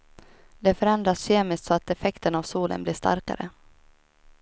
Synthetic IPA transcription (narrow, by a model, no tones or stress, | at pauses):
d̪ɛfœɾɛnd̪ɾasɕeːmɪst̪sɔat̪ɛfɛkt̪ənavsuːlʔə̰nbliːʂt̪a̰ɾka̰ɾə̰